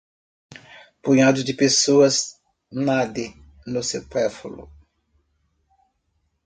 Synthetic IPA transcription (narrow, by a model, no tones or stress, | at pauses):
pujad̪ʊd̪ɪpesoɐs | nad̪ɪ | nõsepɛfulʊ̰